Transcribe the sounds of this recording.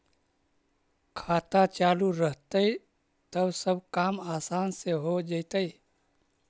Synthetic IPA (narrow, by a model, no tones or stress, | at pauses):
kʰaːt̪at͡ʃaːluɾəɦt̪əi | t̪əbsəbʱkaːmaːsaːnseɦod͡ʒəɪt̪əi